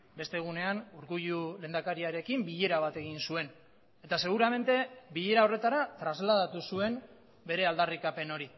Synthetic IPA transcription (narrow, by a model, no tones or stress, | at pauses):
be̞st̪e̞ɣ̞une̞anuɾɣuʎule̞ːnd̪akaɾiaɾe̞kimbiʎe̞ɾaβ̞at̪e̞ɣ̞insue̞n | e̞t̪ase̞ɣ̞uɾame̞nt̪e̞biʎe̞ɾao̞re̞t̪aɾat̪ɾazlað̞at̪usue̞m | be̞ɾe̞ald̪arikape̞no̞ɾi